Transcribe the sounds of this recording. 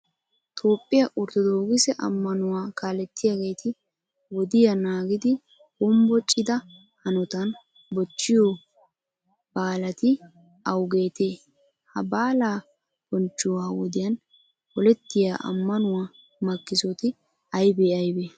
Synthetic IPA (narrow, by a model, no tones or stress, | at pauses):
t̪ʰo̞ːpʼːɪjɐʔʊɾt̪ɔd̪oːɡɪsɛʔɐ̰mːɐnʊwaːkaːlɛt̪ːɪjaːɡe̞ːt̪ʰɪ | wɔd̪ɪjɐnaːɡɪd̪ɪ | bʊmbɔt͡ʃʼːɪd̪ɐ | hɐnɔt̪ɐn | bɔt͡ʃːɪjɔ | b̥aːlɐt̪ɪ | ɐwɡe̞ːt̪eː | hɐbaːlaː | b̥ɔnt͡ʃːʊwaːwɔd̪ɪjɐn | pɔlɛt̪ːɪjaːʔɐ̰mːɐnʊwaː | mɐkːɪsɔt̪ɪ | ɐjbeːɐjbeː